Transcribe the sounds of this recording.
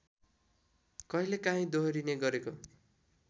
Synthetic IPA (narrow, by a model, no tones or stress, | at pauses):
kʌɦilekãɦĩd̪oɦʌɾineɡʌɾeko